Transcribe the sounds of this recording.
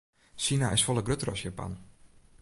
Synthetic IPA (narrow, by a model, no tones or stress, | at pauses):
ʃinaɪsfɔlˠəɡrøtrɔ̰sjapa̰n